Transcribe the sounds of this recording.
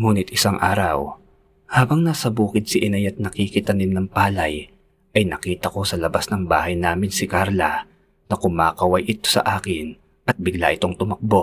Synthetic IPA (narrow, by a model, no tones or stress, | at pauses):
muːnɪt̪ʔɪsaŋʔa̰ːɾɐw | haːbɐŋnɐsɐbuːkɪd̪̚sɪʔɪnajɐt̪̚nɐkikɪt̪ɐnɪnnɐŋpaːlɐj | ʔɐjnɐ̰kiːt̪ɐko̞sɐlɐbasnɐŋba̰ːɦɐjnaːmɪnsɪkaɾlɐ | nɐkʊmaːkɐwɐjʔɪt̪o̞sɐ̰ʔaːkɪn | ʔɐt̪̚bɪɡla̰ʔɪt̪oŋt̪ʊmɐk̚bo̞ʔ